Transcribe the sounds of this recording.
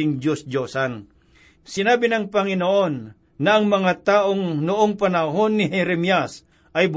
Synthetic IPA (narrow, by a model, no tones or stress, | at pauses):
ɪŋd͡ʒosd͡ʒoːsan | sɪnaːbɪnɐŋpɐŋɪnoʔonː | ɐʔɐŋmɐŋat̪aːʔoŋnʊʔoŋpɐnɐɦonːɪɦɛɾɛmjas | ʔɐjb